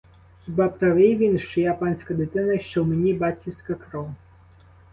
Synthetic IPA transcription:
xʲibɑpt̪ɐʋɪjʋʲinʃt͡ʃɔjapɑnʲsʲkɐd̪ɪt̪ɪnɐʃt͡ʃɔwmenʲibɑt̪ʲkʲisʲkɐkɾɔ

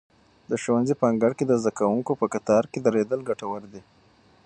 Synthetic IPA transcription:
d̪əʃowanzipɑŋɡaɽked̪əzd̪akawuŋkopəkat̪ɑɾked̪aɾed̪əlɡaʈawəɾd̪i

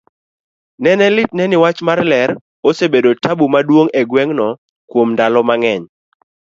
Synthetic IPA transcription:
nɛnɛlɪt̚nɛnɪwat͡ʃmarlɛɾ | osebedotabumadwoŋɛɡwɛŋnɔ | kwomndalɔmaŋɛɲ

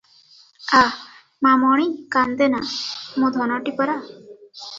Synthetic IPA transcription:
a | mamɔɽ̃ikand̪enamũd̪ʱɔnɔʈipɔɾa

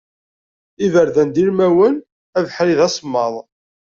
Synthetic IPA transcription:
ivəɾðænd̪ilmæwən | ævħɾiðæsˤmːɑðˤ

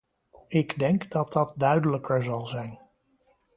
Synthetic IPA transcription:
ɪɡdɛŋkdɑt̚dɑt̚dœɥdələkʰəɹzɑlˠzɛjn

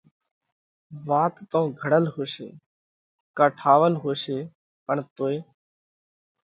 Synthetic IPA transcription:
ʋaːt̪ːõːɡʱəɽəlɦoːsḛː | kəʈʰaːʋəlɦoːseː | pəɳt̪oːeː

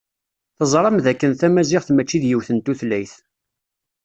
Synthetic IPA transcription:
θəzˤɾˤɑmðækːənθæmæzɪʁθmæt͡ʃːiðjiwθənt̪uθlæjθ

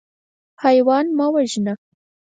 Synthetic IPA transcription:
hajwɑnmɑwaʒina

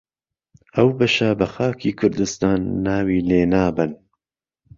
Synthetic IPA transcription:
ʔɐwbɐʃɐbɐxaːkʰiːkʰʊɾd̪ɨst̪aːnːaːwiːleːnaːbɨn

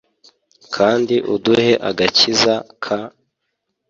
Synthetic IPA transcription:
kʰaːndiʔuduhe̞ʔa̰ɡacizakʰa

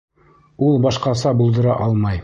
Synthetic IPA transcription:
ulˠbɑʃqɑsɑbulˠd̪ɤ̆ɾɑʔɑlˠmɑj

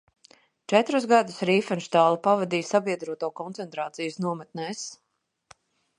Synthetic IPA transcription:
t͡ʃɛt̪ɾus̬ɡad̪usɾiːfɛnʃt̪aːlˠupavad̪iːsabiɛd̪ɾuɔt̪uːkɔnt̪ɛnt̪ɾaːt̪sijusnuɔmɛt̪nɛs

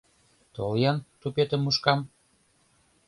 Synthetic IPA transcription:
t̪oljɑnt̪upet̪ə̆mːuʃkɑm

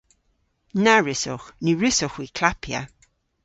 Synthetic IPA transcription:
naɹɪsoxniɹɪsɔxwikʰlapʰja̰

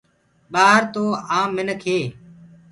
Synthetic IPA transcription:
ɓaːɦəɾt̪oːãːmːɪnəkʰeː

